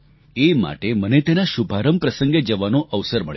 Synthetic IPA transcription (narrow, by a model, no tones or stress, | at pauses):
ema̰ʈemənet̪enaʃubʱaɾəmpɾəsəŋɡed͡ʒəʋanoʔəʋsəɾməɭj